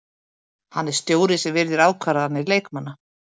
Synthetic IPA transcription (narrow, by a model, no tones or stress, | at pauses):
hanːɛɾ̥st̪joːwɾɪsɛvɪɾðɪɾaːwkʰvaːɾaðanːɪleːjkmanːa